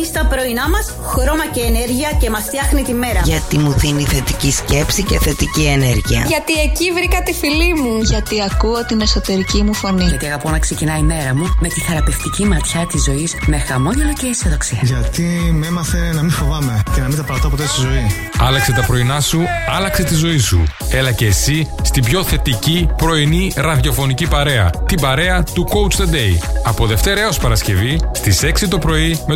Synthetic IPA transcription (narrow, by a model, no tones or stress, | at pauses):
ist̪ɐpɾo̞inɐmɐs | xɾo̞mɐceːneɾʝiɐce̞mɐst̪jɐxnit̪ime̞ɾɐʝɐt̪imuðiniθe̞t̪icisce̞psiceθe̞t̪icie̞ne̞ɾʝiɐ̰ʝɐt̪ie̞civɾikɐt̪ifilimuʝɐt̪iɐkuo̞t̪ine̞so̞t̪e̞ɾicimufo̞niʝɐt̪iɐɣɐpo̞nɐkse̞cinɐime̞ɾɐmume̞t̪iθeɾɐpe̞ft̪icimɐt̪çɐt̪izo̞isme̞xɐmo̞nɐlɐceseðoksiɐʝɐt̪imemɐθenɐmifo̞vɐme̞cenɐmint̪ɐpɐɾɐt̪ɐpot̪est̪izo̞i | ɐlɐkse̞t̪ɐpɾo̞inɐsuɐlɐkse̞t̪izo̞isṵe̞lɐce̞ːsist̪ibço̞θe̞t̪icipɾo̞iniɾɐðʝo̞fo̞nicipɐɾe̞ɐ̰t̪ibɐɾe̞ɐt̪uko̞wt͡st̪od̪e̞jɐpo̞ðe̞ft̪e̞ɾɐeospɐɾɐsce̞vist̪ise̞ksit̪o̞pɾo̞ime